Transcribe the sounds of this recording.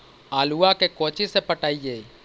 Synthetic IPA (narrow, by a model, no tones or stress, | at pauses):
aːluakekɔ̃ːt͡ʃesepəʈaːieː